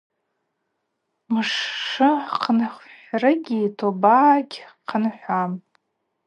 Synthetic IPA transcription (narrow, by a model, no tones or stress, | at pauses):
mɨʂːɨqʰənχʷħrɨɡʲiːtʰobaːɡʲqʰənħʷam